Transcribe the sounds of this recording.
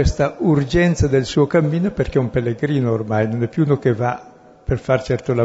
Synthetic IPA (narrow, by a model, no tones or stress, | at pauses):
west̪aurd͡ʒɛnt̪sad̪elsuːokamːiːnoperkɛumpelːeɡɾiːnoormajnonɛpːjunokeva | perfart͡ʃɛrt̪ola